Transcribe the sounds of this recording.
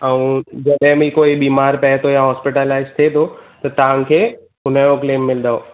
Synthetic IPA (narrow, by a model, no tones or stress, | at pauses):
əũd͡ʒɐɗemĩkoːibiːmaːɾpɛɦt̪ʰojaɦɔːspɪʈəlaːɪzt̪ʰet̪ʰot̪ɐt̪aãŋkʰeː | ʊnəjõkleːmːɪld̪aoː